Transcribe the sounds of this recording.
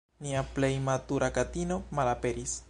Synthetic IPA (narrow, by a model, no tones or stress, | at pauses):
niaple̞jmatuɾʔakatino̞malape̞ɾis